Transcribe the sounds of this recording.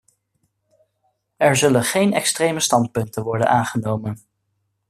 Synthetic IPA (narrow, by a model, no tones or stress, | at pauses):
ɛɹzɵlənχejnɛkstrejməstɑnt̚pɵntəʋɔɹdə̰naːnχənowmən